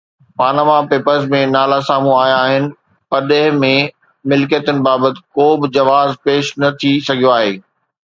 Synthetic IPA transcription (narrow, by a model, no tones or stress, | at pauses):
paːnamapeːpəɾzmẽnaːlasaːmũaːjaːɦɪnɪ̆ | pɐɗeɦɪmẽ | mɪlkjət̪ənɪ̆baːbət̪ɪ̥̆koːbɪd͡ʑɐʋaːzpeːʃnɐt̪ʰisɐɡʱijoaːɦeː